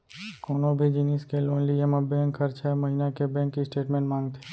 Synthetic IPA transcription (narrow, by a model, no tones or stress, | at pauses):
koːnõbʱid͡ʒiniːskeloːnliemãbɛ̃ːŋkʰːəɾt͡ʃʰɛmɐɦiːnakebɛ̃ːkːisʈeːʈmẽːɳʈmãːŋɡt̪ʰe̥ː